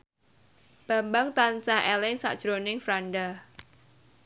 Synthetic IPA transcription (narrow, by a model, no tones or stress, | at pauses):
b̥a̤mbaŋt̪ant͡ʃahɛlɪŋsa̰ʔd̥ʒ̥ɾonɪŋfɾaɳɖa